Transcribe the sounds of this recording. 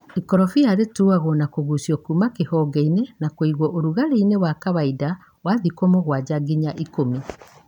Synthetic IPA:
ikɔɾɔfiaɾetuaɣɔnakoɣusiɔkumakehɔɡeinenakweiɣwɔʔoɾuɣaɾeinewakaβaida | waðikomoɣwad͡ʑaɡiɲaʔikomi

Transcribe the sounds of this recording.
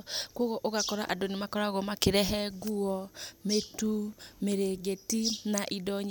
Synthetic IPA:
kwoɣoʔoɣakɔɾa̰ʔadonemakɔɾaɣɔmakeɾɛɦɛɡuɔmetumeɾeɡetinaʔidɔɲ

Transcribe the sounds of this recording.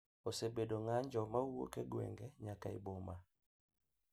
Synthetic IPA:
osebedoŋaɲd͡ʒɔmawo̰keɡwɛ̰ŋɡɛɲakaɪ̰boma

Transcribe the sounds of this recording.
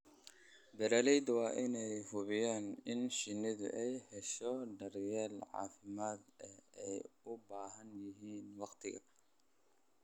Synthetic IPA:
bɛɾɐːlɛjd̪wɑːʔɪnɛjhʊβɪjaːnɪnʃɪnːɪðʊ̰ʔɛjhɛʃɔɖɐrjɛːlʕɑ̰ːfɪmaːd̪ɛɛjʊbaːɦɐnjɪɦiːnwɑqt̪ʰɪɣɐ̰

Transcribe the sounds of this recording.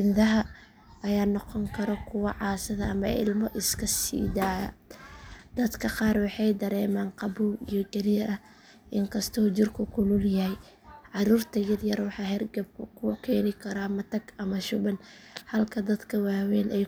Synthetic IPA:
ɪnd̪ɐɦɐ | ʔɐjaːnɔqɔŋkʰɐɾɔkʰʊwɑʕɑːsɐðɐʔɐmɐʔɪ̰lmɔʔɪskʰɐsḭːd̪aːɣɐ̰ | d̪̥ɐd̪kʰɐqɑːrwɑħɑjd̪ɐɾɛːmaːnqɑbuwijɔɡɐɾiːɾɐ | ʔɪŋkʰɐst̪ʰɔːt͡ʃɪrkʰʊkʰʊlʊljɐhɛj | ʕɑɾuːrt̪ʰɐjɐrjɐrwɑħɑːɦɛrɡɐb̚kkʰʊkʰɛːnɪkʰɐɾaːmɐt̪ʰɐɡɐmɐʃʊβɐn | hɐlkʰɐd̪ɐd̪kʰɐwaːwɛːnʔɛj

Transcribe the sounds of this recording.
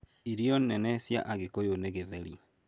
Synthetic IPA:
iɾiɔnnɛnɛsja̰ʔaɣekojoneɣeðeɾija

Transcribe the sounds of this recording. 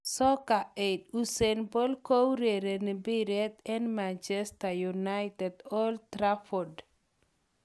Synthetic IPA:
sɔkaed̪usenbɔlkowɾeɾenibiɾɛt̪ɛnmant͡ʃɛst̪ajunajt̪ɛdɔlt̪ɾafɔd

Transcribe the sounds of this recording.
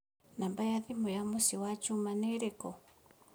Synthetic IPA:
nambajaðimɔjamusiwat͡ʃumanɛɾɛkɔ

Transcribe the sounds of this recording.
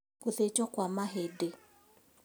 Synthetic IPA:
koθet͡ʃɔkwamaɦede

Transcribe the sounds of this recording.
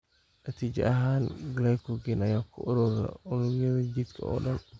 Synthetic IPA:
nɐt̪ʰiːd͡ʒɐ̰ʔɐɦaːnɡlajkʰɔɡinɐjaːkʰʊʔʊɾuːɾɛ̰ʔʊɾʊɾjɐðɐd͡ʒid̪kʰɐ̰ɔ̰ːɖɐn

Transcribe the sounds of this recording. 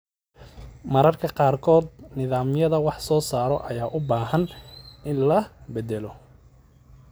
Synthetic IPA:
mɐɾɐrkʰɐqɑːrkʰɔːd̪nɪðaːmjɐðɐwɑħsɔːsaːɾɔʔɐjaːʔʊbaːɦɐnɪnlɐbɛd̪ɛlɔ

